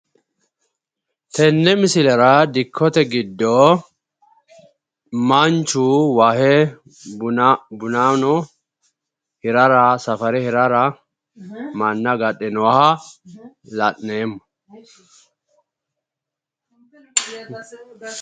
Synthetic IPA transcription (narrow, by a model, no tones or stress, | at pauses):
t̪ɛnːɛmɪsɪlɛɾɐd̪ɪkʰːɔt̪ɛɡɪd̪ːo | mɐnt͡ʃːuwahɛ | bʊnaːnɔ | hɪɾɐɾasɐfɐɾɛhɪɾaɾa | mɐnːɐɡɐɗɛnɔwɐhɐ | lɐʔneːmːɔ̥